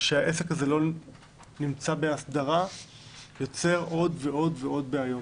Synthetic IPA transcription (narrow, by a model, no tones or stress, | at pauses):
ʃeaʔe̞se̞khazelo̞ | nimt͡sabe̞asd̪aʁa | jo̞t͡se̞ʁʔo̞dveo̞dveo̞d̚beajo̞